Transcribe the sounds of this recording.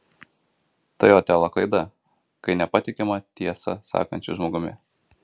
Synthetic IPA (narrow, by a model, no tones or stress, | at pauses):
t̪ɐjoːt̪ʲælˠɐklˠɐɪd̪ɐ | kɐɪnʲɛpɐt̪ʲɪkʲɛmɐt̪ʲiɛsɐ̰sɑ̰ːkɐnʲt͡ʃʲʊʒmoːɡʊmʲɪ̰